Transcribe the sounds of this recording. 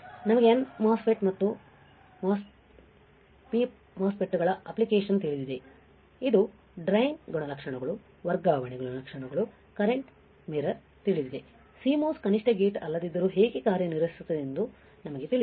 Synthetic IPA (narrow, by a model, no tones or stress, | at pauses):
nɐmɐɡeɐnmaːspeʈmɐt̪ːu | mos | pip | maːspeʈːuɡɐɭɐɐplikeːʂɐnt̪iɭid̪id̪e̞ | id̪u | ɖɾɐjnɡɔɳɐlɐkʂɐɳɐɡɐɭu | ʋɐɾɡaːʋɐɳeɡɔɭɐlɐkʂɐɳɐɡɐɭu | kɐɾeɳʈ | miɾɐɾ | t̪iɭid̪id̪e̞ | siːmoːskɐniʂʈɐɡeːʈɐlːɐd̪id̪ːɐɾuɦe̞ːɡekaːɾjɐniɾʋɐsi̥sut̪ːɐd̪end̪u | nɐmɐɡet̪iɭi